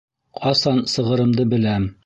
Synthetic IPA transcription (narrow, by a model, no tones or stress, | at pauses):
qɑsɑnsɤ̆ʁɤ̆ɾɤ̆md̪ɤbɘ̆læm